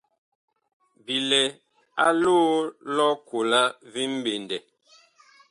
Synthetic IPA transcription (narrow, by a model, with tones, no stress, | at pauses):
bi˨lɛ˨ | a˦loː˦lɔ˦ko˨la˦vi˦m̩˦be˨n˨dɛ˨